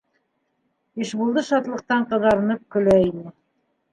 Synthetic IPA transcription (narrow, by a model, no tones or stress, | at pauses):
iʃbulˠd̪ɤʃɑt̪lˠɤ̆q̚t̪ɑɴqɤ̆ðɑɾɤ̆nɤp̚kɵ̆læinɘ